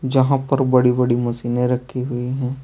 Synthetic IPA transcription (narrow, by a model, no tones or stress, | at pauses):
d͡ʒɐɦãpɐɾbɐɽibɐɽimɐsiːnẽɾɐkʰːiɦʊiɦɛ̃ː